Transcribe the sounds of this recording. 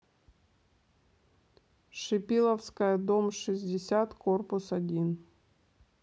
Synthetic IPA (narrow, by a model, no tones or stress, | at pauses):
ʂɨpʲilˠəfskəjəd̪omʂɨzʲdʲɪsʲat̪korpʊsɐdʲin